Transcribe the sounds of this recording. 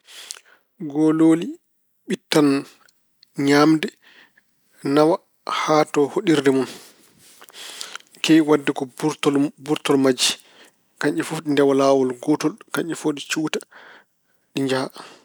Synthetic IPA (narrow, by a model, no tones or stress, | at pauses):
ɡɔloːli | ɓitːan | ɲamdɛ | nawa | hatɔhoɗiɾdɛmun | kɛjwadːɛkɔɾtlbuɾtɔlmad͡ʒi | kaɲɛfufɗindɛwalaːwɔlɡɔtɔlkaɲʔɛfoɗit͡ʃuːta | ɗiɲd͡ʒaha